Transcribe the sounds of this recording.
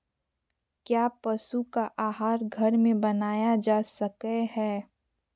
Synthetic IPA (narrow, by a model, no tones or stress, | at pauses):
kjaːpɐsukaʔaːɦaːɾɡʱɐɾmẽbɐnaːjad͡ʒaːsɐkehɛː